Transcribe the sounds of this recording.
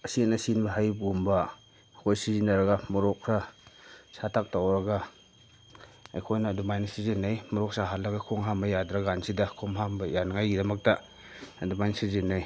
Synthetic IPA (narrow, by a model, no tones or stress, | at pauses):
ɐsinasinbɐɦajbɡumba | kʰojsizinaɾɐɡamɔɾɔkʰɾa | satʰak̚tawɾɐɡa | a̰jkʰojnɐːdumajnasizɯnajmɔɾɔk̚saɦalːɐɡakʰoŋɦambɐjadɾaɡansidakʰomɦambɐjanaŋajɡidɐmɐk̚ta | dumajnsizɯnaj